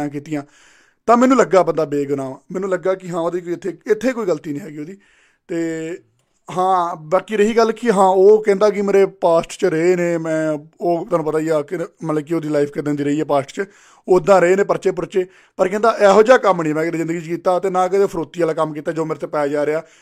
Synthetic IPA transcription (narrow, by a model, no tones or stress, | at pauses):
ãːk̬iːt̪ɪjãː | t̪ãːmɛːnũːləɡːaːbə̃nd̪aːbeːɡʊnãːãmɛːnũːləɡːaːkɪɦãːoːd̪iːkoɪt̪ʰːeːɪt̪ʰːeːkoːiːɡəlt̪iːnĩːɦɛːɡiːoːd̪iː | t̪eː | ɦãːbaːkiːɾəɦiːɡəlːkʰiɦãːoːkɛ̃ːnd̪aːk̬ɪmeːɾeːpaːsʈt͡ʃəɾəeːnẽːmɛ̃ːoːt̪aːnũːpət̪aːijaːkɪmət̪ləbk̬ɪoːd̪iːlaːipʰked̪ẽːnd̪iːɾəiːɛːpaːsʈt͡ʃə | oːɪd̪ːãːɾəeːnẽːpəɾt͡ʃeːp̬ʊɾt͡ʃeː | pəɾkɛ̃ːnd̪aːʔɛːɦoːd͡ʒaːkəmːnĩːmɛ̃ːkd̪ezɪ̃nd̪əɡiːt͡ʃkiːt̪aːt̪eːnãːkəd̪eːpʰəɾoːt̪ːiːaːlaːkəmːkiːt̪aːd͡ʒoːmeːɾt̪eːpɛːd͡ʒaːɾeaː